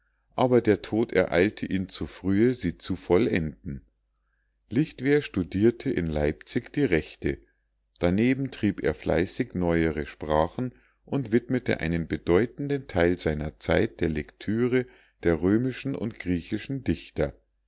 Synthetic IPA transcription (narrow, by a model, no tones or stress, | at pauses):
ʔaːbɐdeːɐtʰoːtɛ̰ɐʔa̰ɪltʰəʔiːnt͡sufʁ̥yːəziːt͡sufɔlʔɛndn̩ | lɪçtv̥eːɐʃtudiːɐtʰəʔɪ̰nlaɪpt͡sɪçd̥iːʁɛçtʰə | d̥aneːbm̩tʁ̥iːpḛːɐfla̰ɪsɪçnɔʏəʁəʃpʁ̥aːχn̩ | ʔʊntv̥ɪtmətʰə̰ʔa̰ɪnənbədɔʏtn̩dəntʰaɪlzaɪnɐt͡sa̰ɪt̚d̥eːɐlɛktʰyːʁə | d̥eːɐʁøːmɪʃn̩ʔʊ̰ntɡ̥ʁiːçɪʃn̩dɪçtɐ